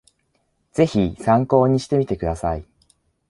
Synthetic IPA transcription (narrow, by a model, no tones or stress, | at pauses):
z̥e̞çisãŋko̞ːɲ̟iɕi̥t̪e̞mʲit̪e̞kɯ̟d̪asai